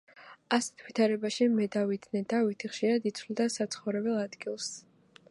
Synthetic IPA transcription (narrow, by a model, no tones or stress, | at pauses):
asɛ̥t̪ʰvit̪ʰaɾɛbaʃimɛd̪avid̪nɛnd̪avit̪ʰiχʃiɾad̪it̪sʰwlid̪asat̪sʰχɔvɾɛbɛlˠad̪ɡilˠs